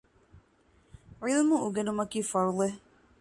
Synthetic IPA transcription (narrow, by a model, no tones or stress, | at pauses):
ɾiðmuuɡenumɐkiːfɐɾule